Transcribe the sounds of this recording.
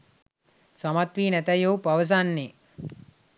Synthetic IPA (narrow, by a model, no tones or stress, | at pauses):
samat̪ʋiːnæt̪ɐjowpaʋəs̬anːe